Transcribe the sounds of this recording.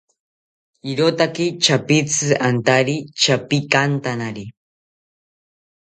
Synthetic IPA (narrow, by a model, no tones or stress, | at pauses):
iɾot̪akit͡ʃapit͡sɨant̪aɾit͡ʃapikant̪anaɾi